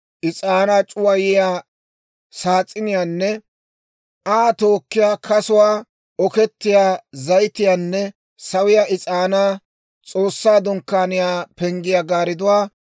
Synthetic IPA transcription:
ʔɪt͡sʼaːnaːt͡ʃʼʊwɐjɪjaː | saːt͡sʼːɪnɪjaːnːɛ | aːt̪o̞ːkːɪjaːkʰɐsʊwaː | ɔkɛt̪ːɪjaːzɐjt̪ːɪjaːnːɛ | sɐwɪjaːʔɪt͡sʼaːnaː | t͡sʼoːsːaːd̪ɔŋkːaːnɪjaːpɛŋɡɪjaɡaːɾɪd̪ʊwaː

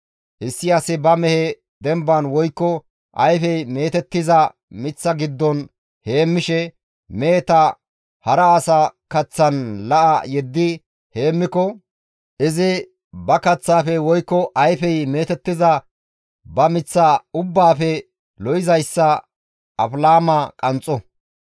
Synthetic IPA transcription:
hɪsːɪɐsɪbɐmɛhɛ | d̪ɛmbɐnwɔjkːɔ | ʔɐ̰jfɛjmeːt̪ɛt̪ːɪzɐ | mɪt͡sːɐɡɪd̪ːɔn | he̞ːmːɪʃɛ | meːt̪ɐ | hɐɾɐːsɐkɐt͡sːɐnlɐʔɐjɛd̪ːɪ | he̞ːmːɪkɔ | ʔɪzɪ | bɐkɐt͡sːaːfɛwɔjkːɔʔɐjfɛjme̞ːt̪ɛt̪ːɪzɐ | bɐmɪt͡sːaʊbːaːfɛ | lɔjɪzɐjsːɐ | ʔɐflaːmakʼɐnt͡sʼːɔ

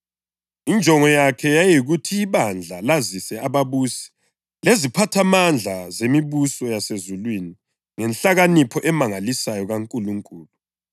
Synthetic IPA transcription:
ind͡ʒʱɔŋɔjakʰɛjajiɣutʰiːβand͡ɮʱalazisɛaβaβuːsɛ̥ | lezipʰatʰamand͡ɮʱazemiβusɔjasezulwini | ŋɛnɬaɣanipʰɔʔɛmaŋalisajɔɣaŋkʼuluŋkʼuːlu

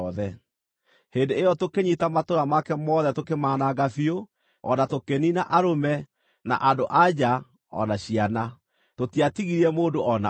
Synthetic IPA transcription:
ðɛ | hendeejɔtokeɲitamatoɾamakɛmɔðɛtokemaːnaɡafio | ɔ̰natokeninaʔaɾomɛ | na̰ʔadoʔad͡ʑa | ɔ̰naɕiana | totiatiɣiɾiɛmoːndoʔɔna

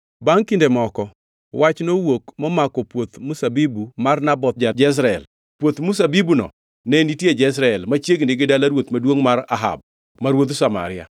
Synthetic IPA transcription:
baŋkindemɔkɔ | wat͡ʃnowokmɔmakɔpwot̪musabibumarnabɔt̪̚d͡ʒad͡ʒɛs̬ɾaɛ̰l | pwot̪musabibunɔ̰ | nɛnitjed͡ʒɛs̬ɾaɛlmat͡ʃjeɡnɪɡɪdalaɾwot̪madwoŋmaɾaɦa̰b̚ | maɾwot̪usama̰ɾɪa̰

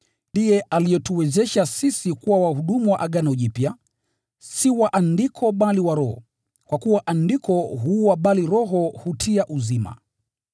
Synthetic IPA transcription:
ndijɛʔalijɛtuwɛzɛʃasisikuwawahuɗumuwaʔaɠanauʄipja | siwaʔandikʰɔɓaliwaɾɔhɔ̰ | kwakuwaʔandikɔɦuwaɓaliɾɔɦɔhutʰiaʔuzima̰

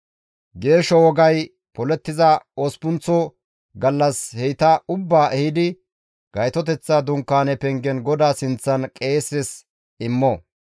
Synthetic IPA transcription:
ɡe̞ːʃɔwɔɡɐj | pɔlɛt̪ːɪzɐoːspʊnt͡sɔ | ɡɐlːɐshɛjt̪ɐʊbːaːɛhɪd̪ɪ | ɡ̥ɐjt̪ɔt̪ɛt͡sːad̪ʊŋkːaːnɛpɛŋɡɛnɡɔd̪aːsɪnt͡sːɐnkʼe̞ːsɛs | ɪmːɔ

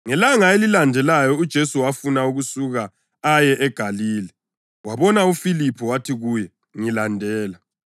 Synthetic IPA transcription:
ŋɛlaŋaelilandʱɛlajɔud̥ʒ̥ʱesuwafunauɣusuɣa | ajɛʔɛɡ̥ʱaliːlɛ | waβɔnaufilipʰɔwatʰiɣujɛ | ŋilandʱɛːla

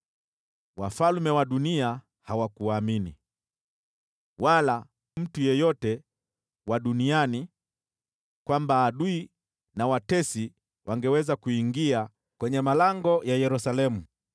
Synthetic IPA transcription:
wafalmɛwaɗunia | hawakuaminḭ | wala | m̩tujɛjɔtɛ | waɗuniani | kwambaːɗui | nawatɛsi | wʔaŋɡɛwɛzakuiŋɡia | kwɛɲɛmalaŋɡɔjajɛɾusalɛmu

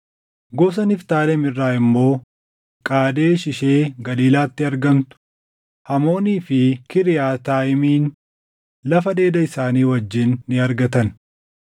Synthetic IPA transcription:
ɡos̬ɐnɪft̪aːlɛmɪrːaːɪmːo̞ː | kʼaːd̪e̞ːʃɪʃe̞ːɡɐliːlaːt̪ːɪɐɾɡɐmt̪ʊ̥ | hɐmo̞ːniːfɪkɪɾɪjaːt̪aːjɪmiːn | lɐfɐd̪e̞ːd̪ɐɪsaːniːwɐd͡ʒːɪnːɪɐɾɡɐt̪ɐn

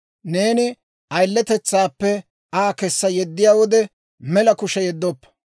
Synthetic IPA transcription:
ne̞ːnɪ | ʔɐjlːɛt̪ɛt͡sːaːpːɛ | aːkɛsːɐjɛd̪ːɪjaːwɔd̪ɛ | mɛlɐkʊʃɛjɛd̪ːɔpːɐ̥

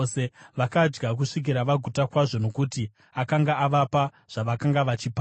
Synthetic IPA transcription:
seʋakad͡ʒɡak̬uʂik̬iɾaʋaɡʱutakwaʐo̞no̞kuti | akaŋɡaaʋapa | ʐ̥aʋakaŋɡaʋat͡ʃipa

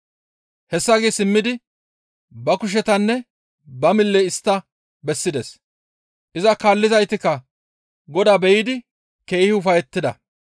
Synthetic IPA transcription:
hɛsːɐɡeːsɪmːɪd̪ɪ | bɐkʊʃ̬ɛt̪ɐnːɛ | bɐmɪlːɛɪst̪ːɐ | bɛsːɪd̪ɛs | ʔɪzɐkaːlːɪzɐjt̪ɪkːɐ | ɡɔd̪aːbɛjɪd̪ɪ | ke̞ːhɪʊfɐjɛt̪ːɪd̪ɐ̰

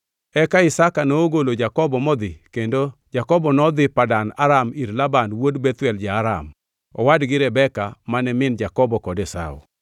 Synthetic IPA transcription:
ɛkaɪsakanoːɡolod͡ʒakɔbɔmɔd̪ɪkendod͡ʒakɔbɔnɔd̪ɪpadana̰ɾamiɾlabanwodbɛt̪wɛld͡ʒaːɾa̰m | ɔ̰wadɡɪɾɛbɛkamanɛmɪnd͡ʒakɔbɔkɔdɛsa̰ṵ

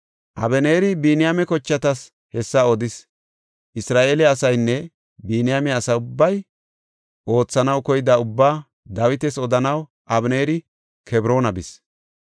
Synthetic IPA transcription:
ʔɐ̰bɛneːɾɪbiːnɪjamɛkɔt͡ʃːɐt̪ɐs | hɛsːɐɔd̪ɪs | ʔɪsɾaːʔeːlɛɐsɐjnːɛ | biːnɪjamɛɐsɐʊbːɐj | ʔo̞ːt͡sːɐnɐwkɔjɪd̪ɐʊbːaː | d̪ɐwɪt̪ɛsɔd̪ɐnɐw | ʔɐbne̞ːɾɪ | kʰɛbɾo̞ːnɐbɪs

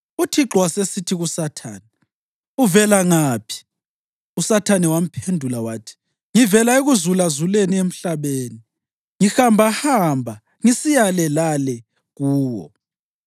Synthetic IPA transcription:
utʰiǁwasesitʰiɣusatʰaːnɛ | uvɛlaŋaːpʰi̥ | usatʰanɛwam̩pʰendʱulawaːtʰi̥ | ŋivɛlaeɣuzulazuleniem̩ɬaβeːni | ŋixambʱahambʱa | ŋisijalɛlalɛ | ɣuːwɔ̰

